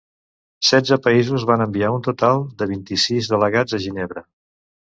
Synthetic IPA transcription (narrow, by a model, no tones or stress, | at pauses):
sɛdd͡zəpəizuzβanəmbiaunt̪ut̪alˠd̪əβint̪isizðələɣad͡zəʒineβɾə